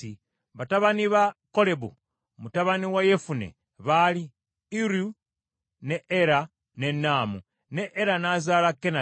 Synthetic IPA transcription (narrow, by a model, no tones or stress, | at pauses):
i | βataβaniβako̞le̞βṵ | mutaβaniwajefunḛ | βali | iɾju | neeɾa | ne̞nːaːmu | neʔeɾanazaːlakːena